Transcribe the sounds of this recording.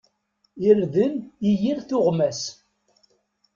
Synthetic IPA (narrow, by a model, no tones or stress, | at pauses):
ɪɾðənijiɾθʊʁmæs